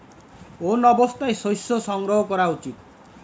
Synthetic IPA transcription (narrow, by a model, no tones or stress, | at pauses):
onɔbɔst̪ajsojsɔsɔŋɡɾɔɦɔkɔɾaut͡sit̪̚